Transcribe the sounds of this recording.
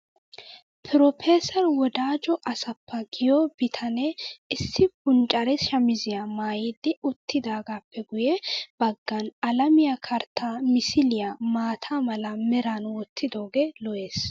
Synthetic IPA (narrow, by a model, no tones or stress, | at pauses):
pʰɪɾɔpʰeːsɐɾwɔd̪aːd͡ʒɔʔɐsɐpːɐɡɪjɔbɪt̪ʰɐnɛɪsːɪbʊnt͡ʃʼɐɾɛʃɐmɪzɪjamaːjiːd̪ːɪʊt̪ːɪd̪aːɡaːpːɛɡʊjɛb̥ɐɡːɐnɐlɐmɪjakʰɐɾt̪ʰːaːmɪsɪlɪjamaːt̪ʰaːmɐlɐmɛɾanwɔt̪ʰːɪd̪o̞ːɡeːlɔʔe̞ːs